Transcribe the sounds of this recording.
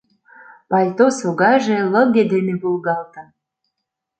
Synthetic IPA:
pɑlʲt̪osoɣɑjʒelə̆ɣed̪emebulɣɑlt̪ə̆

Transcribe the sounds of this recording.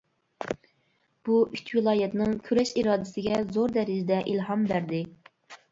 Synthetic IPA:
b̥uʔyt͡ʃʲʰwɨlˠɑːjɛt̪nɪŋkʲʰyɾɛʃiɾɑːd̪ɪsɪɡʲɛzoɾd̪ɛɾizɪd̪ɛʔilɦɑmbæɾd̪ɪ

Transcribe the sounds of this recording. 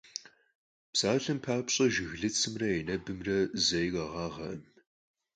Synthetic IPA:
psaːɬɐmpʰaːpɕʼɐʒɪɣɮɨt͡sʰʼɨmrɐenɐbɨmrɐzɐjʁɐʁɑːʁɐʔɨm

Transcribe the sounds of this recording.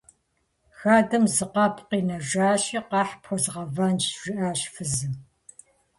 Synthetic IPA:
xaːdɐmzɨqɐpqiːnɐʒaːɕiːqɑːħpʰxʷɔzʁɐvɐnt͡ʃʒ̥ɪʔaːɕfɨzɨm

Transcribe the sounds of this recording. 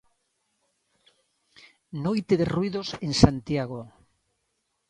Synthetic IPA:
nojt̪eðerwiðosensant̪jaɣo

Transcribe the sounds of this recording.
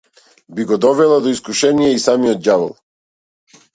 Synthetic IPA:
biɡɔd̪ɔvɛlˠad̪ɔiskuʃɛnijɛisamijɔt̪̚java̰lˠ

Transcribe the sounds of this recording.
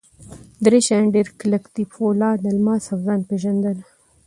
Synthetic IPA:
d̪ɾeʃaɳɖeɾkləkt̪ifʰolɑːd̪ɐlmɑːsafzɑːnpeʒand̪əl

